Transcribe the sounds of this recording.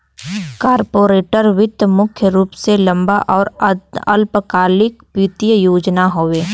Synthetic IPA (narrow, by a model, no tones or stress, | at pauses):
kaːɾpoːɾeːʈəɾʋɪd̪jəmʊkʰjəɾuːpselɐ̃mbaʔɔːɾəlpəkaːlɪkpɪt̪jəjoːd͡ʒnaɦoːʋeː